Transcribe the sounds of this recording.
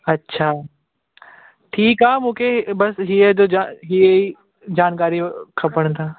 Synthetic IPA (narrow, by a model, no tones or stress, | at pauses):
ɐtːʃʰaː | ʈʰiːkɦaːmũːkʰebɐsɦied̪od͡ʒaɦiei | d͡ʑaːnkaːɾikʰɐpəɽ̃t̪ʰaː